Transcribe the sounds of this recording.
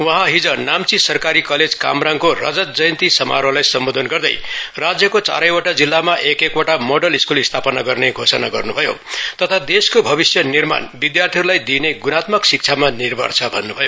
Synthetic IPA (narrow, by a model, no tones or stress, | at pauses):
wʌ̃ɦãɦid͡zʌnamt͡sisʌrkaɾikʌled͡zka̰mraŋkorʌ̰d͡zʌt̪̚d͡zʌjʌnt̪isʌma̰ɾolajsʌmbod̪ʱʌnɡʌrd̪ʌ̰jrad͡zjʌkot͡sa̰ɾʌjoʈad͡zilːamaʔekekaʈamoɖʌliskulist̪ʰapʌnaɡʌrneɡʱosʌnaɡʌrnubʱʌjo̰t̪ʌt̪ʰad̪eskobʱʌβisjʌnirma̰nbid̪jart̪ʰiɦʌɾulajd̪ineɡunat̪mʌksik̚t͡sʰamanirbʱʌ̰rt͡sʰʌbʱʌnːubʱʌjo